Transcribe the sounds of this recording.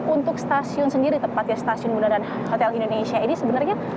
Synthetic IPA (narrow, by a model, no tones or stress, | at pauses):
unt̪ʊk̚st̪asiʊnsəndiɾit̪əmpat̪̚jast̪asiʊnbunadan | hot̪ɛlindonenesiainisəbənərɲa